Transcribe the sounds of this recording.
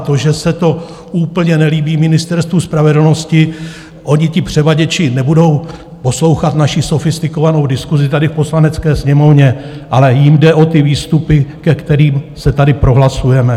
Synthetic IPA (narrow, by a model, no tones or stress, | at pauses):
t̪oʒɛsɛt̪o̞ | uːpl̩ɲɛnɛliːbiːmɪnɪst̪ɛɾst̪vuspɾavɛdl̩no̞scɪ | ʔo̞ɲɪcɪpr̝̥ɛvaɟɛt͡ʃɪnɛbudo̞w | po̞slo̞wxat̪naʃɪso̞fɪst̪ɪko̞vano̞wdɪskuzɪt̪adɪfpo̞slanɛt͡skɛːsɲɛmo̞vɲɛ | ʔalɛjɪmdɛʔo̞t̪ɪviːst̪upɪkɛkt̪ɛɾiːmsɛt̪adɪpɾo̞ɦlasujɛmɛ